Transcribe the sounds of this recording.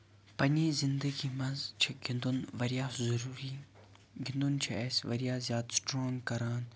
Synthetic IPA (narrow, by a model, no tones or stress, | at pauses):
pɐniːzɪnd̪əɡimɐnzt͡ʃʰiɡɪnd̪unʋɐɾijaːzɐɾuːɾiː | ɡɪnd̪unt͡ʃʰiɛːsʋɐɾijaːzjaːt̪sʈɾoːŋɡkɐɾaːn